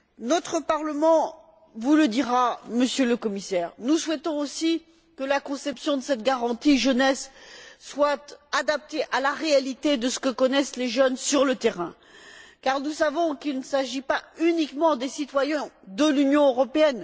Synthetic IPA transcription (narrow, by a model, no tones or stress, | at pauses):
nɔt̪χəpaʁləmɑ̃ | vuləd̪iʁaməsjøləkɔmisɛːʁnuswɛt̪ɔ̃osi | kəlakɔ̃sɛpsjɔ̃d̪əsɛt̪ɡaʁɑ̃t̪iʒənɛsː | wat̪ad̪ap̚t̪eʔalaʁealit̪ed̪əsə̥kəkɔnɛsleʒənsyʁlət̪eʁɛ̰̃ | kaʁnusavɔ̃kilnəsaʒipaynikmɑ̃d̪esit̪wajɛ̃d̪əlynjɔ̃øʁɔpeɛn